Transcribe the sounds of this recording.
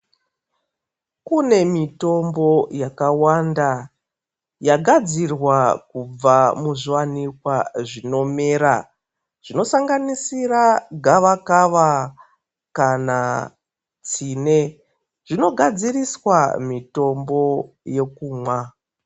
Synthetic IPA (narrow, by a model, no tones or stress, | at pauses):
kune̞mito̞mbo̞jakawanda | jaɡʱad͡zirwakub͡vamuʐiwanikwaʐino̞me̞ːɾa | ʐ̥ino̞saŋɡanisiraɡʱaʋakaʋa | kana | t͡siːne̞ | ʐ̥ino̞ɡʱad͡ziriswamito̞mbo̞ | je̞kuːmwa